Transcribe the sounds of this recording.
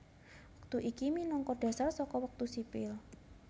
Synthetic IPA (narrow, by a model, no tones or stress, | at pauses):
wək̚t̪uʔikiminɔŋkɔɖ̥a̤sarsɔkɔwək̚t̪usipɪl